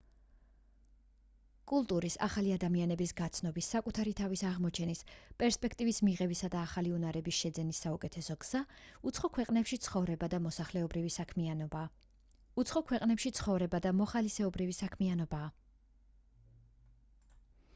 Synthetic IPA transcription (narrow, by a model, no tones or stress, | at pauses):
kʼulˠt̪ʼuɾisa̰χaliad̪amianɛbisɡat̪sʰnɔbisːakʼut̪ʰaɾit̪ʰavisaʁmɔt͡ʃʰɛnispʼɛɾspʼɛkʰt̪ʼivismiʁɛbisad̪aːχaliunaɾɛbisʃɛd̪zɛnisːaukʼɛt̪ʰɛsɔɡz̥aχɔkʰwɛqʼnɛpʃit̪sʰχɔvɾɛbad̪amɔsaχlɛɔbɾivi | uɔkʰwɛqʼnɛpʃit̪sʰχɔvɾɛbad̪amɔχalisɛɔbɾivisakʰmianɔbaː